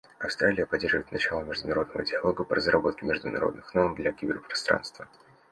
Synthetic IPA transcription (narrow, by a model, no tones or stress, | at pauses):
ɐfst̪ɾʔalʲɪjəpɐdʲerʐɨvəɪt̪nɐt͡ɕalˠəmʲɪʐd̪ʊnɐɾo̞d̪nəvə̰dʲɪɐlˠo̞ɡəpəɾʔəzrɐbo̞t̪̚kʲɪmʲɪʐd̪ʊnɐ̰ɾo̞d̪nɨxnormd̪lʲɐkʲɪbʲɪrpɾɐst̪ɾa̰nst̪və